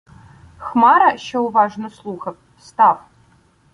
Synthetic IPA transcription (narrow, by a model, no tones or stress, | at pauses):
xmaːɾɐʃɐwvaːʐnɐslˠuːxɐp̚ | st̪aːf